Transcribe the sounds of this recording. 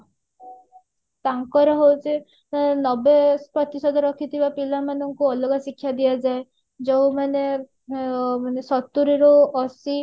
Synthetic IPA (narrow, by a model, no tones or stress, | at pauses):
t̪aŋkɔɾeɦowt͡ʃʰi | nɔbepɾɔt̪isɔd̪ɔɾɔkʰit̪ʰibapilamanɔŋkuɔlɔɡasikʰːjad̪iad͡ʒae | d͡ʒɔwmane | manesɔt̪ːuɾiɾɔɔsi